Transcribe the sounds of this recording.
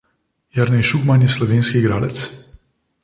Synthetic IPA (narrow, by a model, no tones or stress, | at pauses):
jaɾnɛjʃuɡmanjɛslɔʋeːnskiːɡɾaːlɛt̪s